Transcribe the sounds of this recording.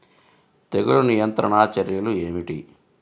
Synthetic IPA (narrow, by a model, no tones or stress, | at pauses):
t̪eɡuɭunijɐnt̪ɾɐɳaːt͡ʃɐɾjɐlue̞ːmiʈḭ